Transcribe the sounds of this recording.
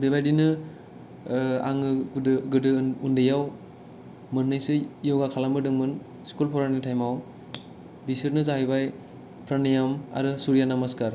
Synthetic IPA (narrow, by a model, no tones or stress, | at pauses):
bebajdinɯ | a̰ŋɯɡɯdɯundɯjaw | mɯnːɯjsɯjɔwɡakʰalambɯdɯŋmɯn | skulpʰɔɾanitʰajmaw | bisɯɾnɯzahijbaj | pʰɾanijama̰ɾɯsuɾjanamaskaɾ